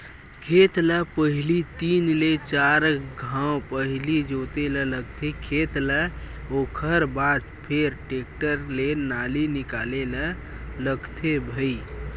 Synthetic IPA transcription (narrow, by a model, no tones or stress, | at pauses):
kʰet̪ləpəɦilit̪inlet͡ʃaɾɡʱãw̃pəɦlid͡ʒot̪elələɡt̪ʰekʰet̪lə | okʰəɾbad̪pʰeɾʈekʈəɾlenalinikalelə̃ | ləɡt̪ʰebʱəi